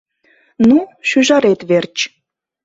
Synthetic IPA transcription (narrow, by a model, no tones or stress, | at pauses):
nuʃyʒɑɾet̪βert͡ɕ